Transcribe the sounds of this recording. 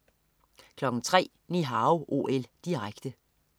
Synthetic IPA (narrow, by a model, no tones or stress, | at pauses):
kʰlɒ̽ɡ̥̩t͡sʰʁɛ̰ː | niɦɑ̈ʊʔo̝̰ːʔeld̥iʁaɡ̥d̥ə